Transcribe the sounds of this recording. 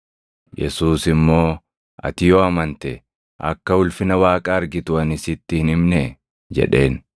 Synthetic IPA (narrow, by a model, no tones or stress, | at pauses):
jɛ̰suːsɪmːo̞ː | ʔɐ̰t̪ɪjoɐmɐnt̪ɛ | ʔɐ̰kːɐʊlfɪnɐwaːkʼaːɐɾɡɪt̪ʊɐnɪsɪt̪ːɪhɪnɪmnɛ | d͡ʒɛ̰ᶑe̞ːn